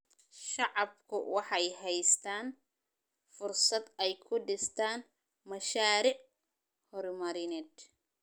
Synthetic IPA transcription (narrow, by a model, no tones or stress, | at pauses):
ʃɑʕɑbkʰʊwɑħɑjɦɛjst̪ʰaːn | fʊrsɐd̪ɛjkʰʊɖɪst̪ʰaːn | mɐʃaːɾɪʕ | hɔɾmɐɾɪnɛːd̪